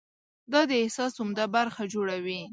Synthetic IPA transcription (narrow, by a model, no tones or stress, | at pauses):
d̪ɑd̪əɪhsɑsʊmd̪abaɾxad͡ʒoɽawi